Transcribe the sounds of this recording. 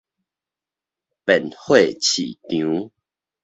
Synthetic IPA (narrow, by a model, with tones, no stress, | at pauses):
pɛ˨˩nhwe˥˨t͡ɕʰḭ˨˩t̪jũ˨˦